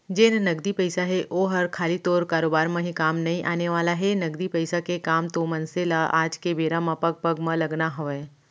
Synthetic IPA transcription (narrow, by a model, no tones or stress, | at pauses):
d͡ʒeːnnɐɡd̪ipəɪsaɦɛʔoːɦɐɾkʰaːlit̪oːɾkaːɾoːbaːɾmãɦikaːmnɐɦĩʔaːneʋaːlaɦɛnɐɡd̪ipɐɪsakekaːmt̪omɐnselaʔa̰ːd͡ʒkebeːɾamãpɐɡ̚pɐɡmãlɐɡnaɦoɛː